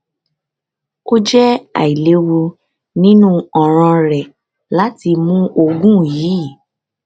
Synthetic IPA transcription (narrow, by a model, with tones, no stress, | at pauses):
ko˦d͡ʒɛ˦a̰˨i˨le˨˦wu˧ | nĩ˦nũ˦ɔ˨ɾ̃ã˧ɾɛ˨ | la˨˦ti˧mũ˦o˧ɡũ˦˨jiː˨˦˨